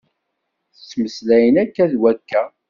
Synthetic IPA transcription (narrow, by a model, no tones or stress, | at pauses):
θsːməslæjənækːæðwækːæ